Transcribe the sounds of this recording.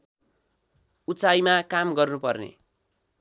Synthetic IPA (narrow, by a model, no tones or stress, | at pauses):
ut͡sajmakamɡʌrnupʌrnḛ